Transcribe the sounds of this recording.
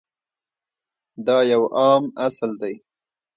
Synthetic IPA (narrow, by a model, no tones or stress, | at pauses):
d̪ɑjawʔɑmasld̪aj